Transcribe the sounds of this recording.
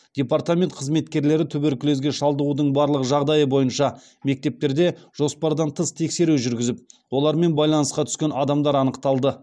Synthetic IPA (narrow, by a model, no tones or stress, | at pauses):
d̪̥ʲe̞part̪amʲe̞nt̪̚qʰəzme̞t̪kʲe̞ɾle̞ɾɪt̪ʰʏbeɾkʲʰʏle̞zɡʲe̞ʃɑlˠd̪əʁud̪əɴbɑɾlˠəʁəʒɑʁd̪ɑjəbo̞jənʃɑ | me̞k̚t̪e̞p̚t̪e̞ɾd̪e̞ʒ̥o̞spɑɾd̪ɑnt̪ʰəst̪ʰe̞kse̞ɾuʒʏɾɡʲɪzɪp̚wo̞lˠɑɾme̞nbɑjlˠɑnəsqɑt̪ʰʏ̥skʲe̞nɑd̪ɑmd̪ɑɾɑnəqt̪ɑlˠd̪ə